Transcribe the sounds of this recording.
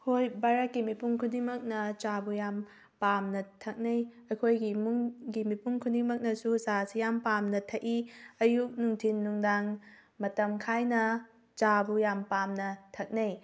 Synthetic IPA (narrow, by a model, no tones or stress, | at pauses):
hojbaɾɐkːimipuŋkʰudimɐk̚nɐt͡ʃabujam | pamnɐtʰɐk̚nɐjɐkʰojɡimuŋɡimipuŋkʰudiŋmɐk̚nɐsusasijampamnɐtʰɐʔiɐjuk̚nuŋtʰinːuŋdaŋ | mɐtɐmkʰajnɐ | t͡ʃabujampamnɐtʰɐk̚nej